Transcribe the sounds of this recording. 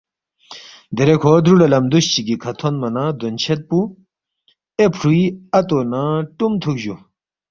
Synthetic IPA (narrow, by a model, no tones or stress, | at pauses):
d̪eɾekʰoːd̪ɾulɐlɐmd̪uɕt͡ɕiɡikʰɐt̪ʰonmɐnad̪ont͡ɕʰet̪̚pu | epʰɾuiɐt̪onaʈumt̪ʰuk̚ʑu